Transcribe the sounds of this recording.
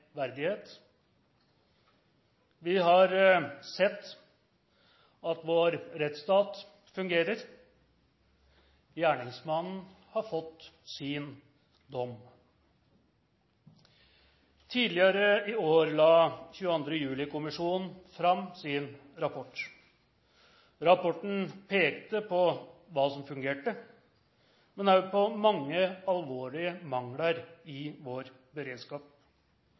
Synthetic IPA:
ʋæɾd̪ɪheːt̪ | ʋɪɦɑɾsɛt̪ː | ɑt̪ʋoːɾɾɛt̪st̪ɑːt̪ | fʉŋɡeːɾəɾ | jæːɳɪŋsmɑnn̩hɑɾfɔt̪ːsin | d̪ɔm | t̪ʰiːd̪lɪəɾəɪoːɾlɑːçʉːəɑnd̪ɾəjʉːlɪkʊmɪʂuːnn̩fɾɑmːsɪnɾɑpʰɔʈː | ɾɑpɔʈɳ̩pʰeːkt̪əpʰɔʋɑːsɔmfʉŋɡeːʈə | mɛnɑpʰɔmɑŋːəɑlʋoːɭɪəmɑŋlɑɾɪʋoːɾ | bəɾeːd̪skɑːp̚

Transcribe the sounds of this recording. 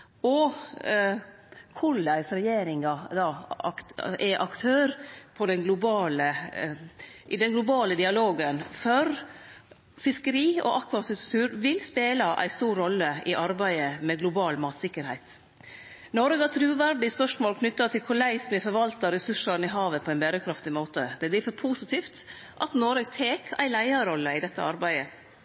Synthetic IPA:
ɔ | kʰʊɭæɪsɾɛjeːɾɪŋɑd̪ɑːɑkʔɛʔɑkt̪ʰøːɾpʰɔd̪ɛnɡlʊbɑːlə | ʔd̪ɛnɡlʊbɑːləd̪ɪɑloːɡənfɔɾ | fɪskəɾiːɔ̰ʔɑkʋɑt̪ʉt̪t̪ʰʉːɾʋɪlspeːlɑʔæ̰ɪst̪uːɾːɔlːəʔɪʔɑɾbæɪəmɛɡlʊbɑːlmɑːt̪sɪkːəɾhæɪt̪ | nɔɾəɡɑt̪ʰɾʉːʋæɾɖɪspœʂmoːlkʰnʏt̪ːɑt̪ʰɪlkʰʊɭæɪsmɪfɔɾʋɑlt̪ɑɾɛsʉʂɑɾnɪɦɑːʋəpʰɔæɪnbæːɾəkʰɾɑft̪ɪmoːt̪əd̪̥ɛblɪfɔɾpʰuːsɪt̪ʰiːft̪ | ʔɑt̪nɔɾəɡt̪ʰeːkæ̰ɪlæɪɑɾɔlːəɪd̪ɛt̪ːə̰ɑɾbæɪə

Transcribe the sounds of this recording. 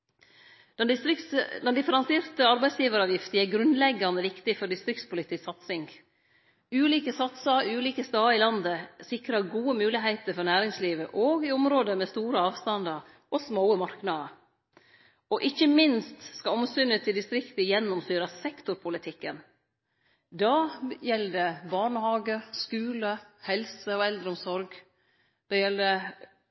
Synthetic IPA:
d̪̥ɛnd̪ɪsɾɪkd̪ɛnd̪ɪfəɾɑnseːɾt̪əɑɾbæɪsjiːʋəɾɑːʋjɪft̪əæɡɾʉnd̪lɛɡːɑnd̪əʋɪkt̪ɪfɔɖɪst̪ɾɪkt̪spʊlɪt̪ɪsɑt̪sɪŋɡ | ʉːliːkəsɑt̪sɑʉːliːkəst̪ɑːɪlɑnd̪əsɪkɾəɾɡuːəmʉːlɪɦæɪt̪əɾfɔɾnæːɾɪŋsliːʋəʔoːɡɪɔmɾoːd̪əmɛst̪uːɾəɑːʋst̪ɑnd̪ɑɾ | ʔɔsmoʊəmɑɾknɑd̪ə | ɔʔɪçːəmɪnst̪skɑɔmsʏnːət̪ʰɪld̪ɪst̪ɾɪkt̪əjɛnːɔmsyːɾɑsɛkt̪ʊɾpʰʊlɪt̪ʰɪkːən | d̪ɑjɛlːəd̪ɛbɑɳəhɑːɡəskʉːləhɛlsəɔɛld̪ɾəʊmsɔɾɡ | d̪̥ɛjɛlːd̪ə

